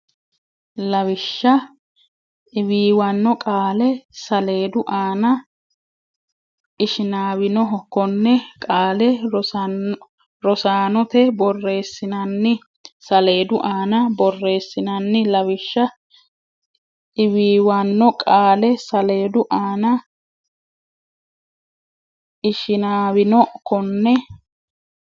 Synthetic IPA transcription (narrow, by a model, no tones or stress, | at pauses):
lɐwɪʃːɐ | ɪwiːwɐnːɔkʼaːlɛsɐle̞ːd̪ʊʔaːnɐ | ɪʃɪnaːwɪnɔɦɔkːɔnːɛkʼaːlɛ | ɾɔsaːnɔt̪ɛbɔrːe̞ːsːɪnɐnːɪ | sɐle̞ːd̪ʊʔaːnɐbɔrːe̞ːsːɪnɐnːɪlɐwɪʃːɐ | ɪwiːwanːɔkʼaːlɛsɐle̞ːd̪ʊʔaːnɐ | ɪʃɪnaːwɪnɔkɔnːɛ